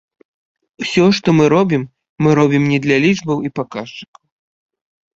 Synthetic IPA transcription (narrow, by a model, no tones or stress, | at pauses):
wsʲɔʂt̪ɔmɨɾɔbʲimː | ɨɾɔbʲimnʲɛd̪lʲalʲiʐbɐwipakaʂt͡ʂɨ̥kɐw